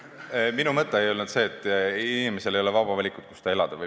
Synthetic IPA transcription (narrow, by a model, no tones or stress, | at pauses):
minumɤt̪ˑːe̞ejo̞lnud̪̥se̞ːt̪ːˑiinime̞se̞lejo̞le̞vɑb̥ɑvɑlʲikut̪̚ku̥st̪ɑe̞lɑd̪̥ɑvɯ